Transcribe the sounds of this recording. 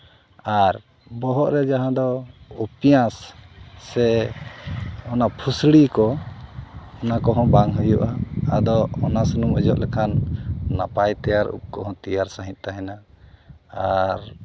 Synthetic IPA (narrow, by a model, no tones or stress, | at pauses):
aɾ | bɔɦɔʔɾɛd͡ʒaɦãd̪ɔupijãsː | ɛ | ɔnapʰusɽikɔ | ɔnakɔɦɔ̃baŋɦujuʔaad̪ɔɔnasnuməd͡ʒɔʔlɛkʰanːa̰pajt̪ɛjaɾṵp̚kɔɦɔ̃t̪ijaɾsaɦĩt̪̚ˀt̪aɦɛna | aɾ